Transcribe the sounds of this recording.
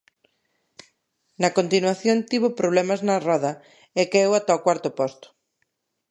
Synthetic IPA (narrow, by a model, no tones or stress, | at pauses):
nɐkont̪inwaθjont̪iβopɾoβlɛmɐznɐrɔðɐ | ɛkeewat̪aokwaɾt̪ʊpɔst̪ʊ̥